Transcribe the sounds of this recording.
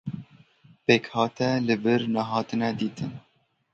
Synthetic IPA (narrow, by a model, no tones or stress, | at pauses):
peːkhɑːt̪ɛlɨbɨɾnæɦɑːt̪ɨnɛd̪iːt̪ʰɨn